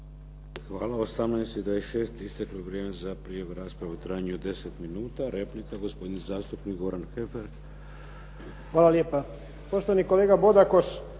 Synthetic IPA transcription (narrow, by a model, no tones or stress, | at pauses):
xʋaːlaosamnajst̪id̪ʋajesʃe̞ːst̪ist̪akloʋɾjeːmezapɾijaʋeɾaːspɾaʋut̪ɾaːjɲeod̪e̞set̪minuːt̪aɾeplikaɡo̞spo̞d̪inzaːst̪upnikɡo̞ɾanxefeɾ | xʋaːlˠaljeːpa | po̞ʃt̪oʋanikoleːɡabo̞d̪akoʃ